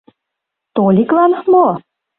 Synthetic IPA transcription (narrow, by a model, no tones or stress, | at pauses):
t̪olʲiklɑnmo